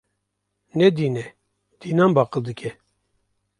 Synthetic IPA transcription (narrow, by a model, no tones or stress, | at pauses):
nɛd̪iːnɛ | d̪̥iːnanbɑːqɨld̪ɨkʲʰɛ